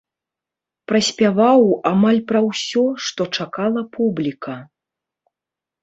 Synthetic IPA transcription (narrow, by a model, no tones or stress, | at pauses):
pɾɐsʲpʲavawamalʲpɾɐwsʲɔʂt̪ɔt͡ʂakalˠɐpʰublʲikʰɐ